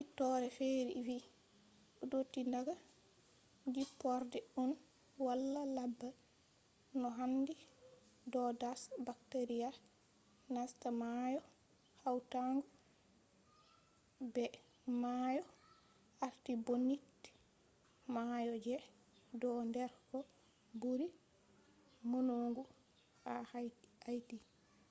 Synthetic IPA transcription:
itɔɾɛfeːɾifi | ʔɔdotːindaɡa | d͡ʒipːɔɾdɛɗun | walːalabːa | nɔɦandi | dɔdasbak̚teɾija | nastamajɔ | hawtaŋɡɔ | bɛ | majɔ | aɾtibonːitː | majɔd͡ʒɛ | dɔndɛɾkɔ | buɾi | monoːŋɡu | ahhajti

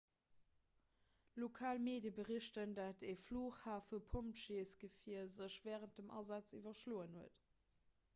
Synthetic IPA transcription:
lokʰaːlmeːdjəbəʁiɕtəndɑtɛfloːχhaːfəpʰomtʃeːsɡ̥əfiɐzəɕv̥ɛːʁənt̚dəmɑ̰zɑt͡sḭvɐʃloːənhuət

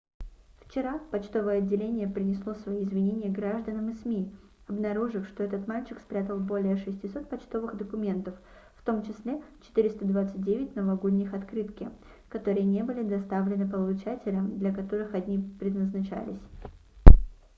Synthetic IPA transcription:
ft͡ɕɪɾapɐt͡ɕt̪o̞vəjəɐdʲːɪlʲenʲɪjəpɾʲɪnʲɪslˠosvɐjiɪzvʲɪnʲenʲɪjəɡɾaʐd̪ənəmɨsmʲiɐbnɐɾuʐɨfʂt̪o̞ɛt̪ət̪malʲt͡ɕɪkspɾʲat̪əlˠbo̞lʲɪjəʂɨsʲtʲɪso̞t̪̚pɐt͡ɕt̪o̞vɨɣd̪əkʊmʲe̞nt̪əfː | t̪o̞mt͡ɕɪsʲlʲe̞t͡ɕɪ̥t̪ɨɾʲɪst̪əd̪vat̪sɨt̚ʲdʲevʲɪtʲnəvɐɡo̞d̪ʲnʲɪxɐt̪kɾɨt̪kʲɪ | kɐt̪o̞ɾɨjənʲe̞bɨlʲɪd̪ɐst̪avlʲɪnɨpəlˠʊt͡ɕatʲɪlʲəmd̪lʲɐkɐt̪o̞ɾɨxɐdʲnʲipɾʲɪd̪nəznɐt͡ɕæ̰lʲɪ̰sʲ

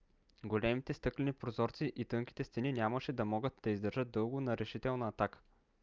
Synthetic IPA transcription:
ɡolɛmit̪ɛst̪ɤklɛnipɾozɔɾt̪siʔit̪ɤŋkʲi̥t̪ɛst̪ɛninʲjaməʃɛd̪ɐmɔɡət̪d̪̥ɐizd̪ɐɾʒɤt̪̚d̪ɤlˠɡʊnɐɾɛʃit̪ɛlˠnɐːt̪akə̥

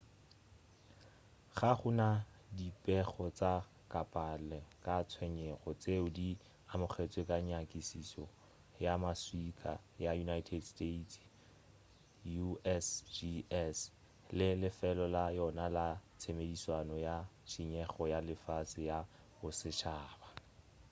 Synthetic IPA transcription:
χaχʊna | dipʼɛχɔt͡sa | kʼapʼalɛkʼat͡sʰwɛɲɛχɔt͡seʊdi | amʊχʰet͡sʼwekʼaɲakʼisisɔ | jamaswikʰʼa̰jajunaitʰɛdsteitʰ | juɛsd͡ʒiɛs | lɪlɪfɛlɔlajɔnalat͡sʰemediswanɔjaʃiɲɛχɔjalɪfasɪja | bʊsɪʃaːba

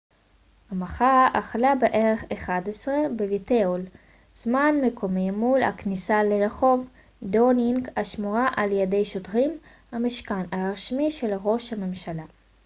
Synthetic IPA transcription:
hamaχaaχlabeʔe̞ʁe̞χeχadesʁe̞beviteol | z̥manme̞kʰo̞mimulha̰knisaleʁaχo̞v | doniŋkaʃmuʁaʔaljede̞jʃotʁim | hamiʃkanaʁaʃmiʃe̞laʁo̞ʃhame̞mʃala

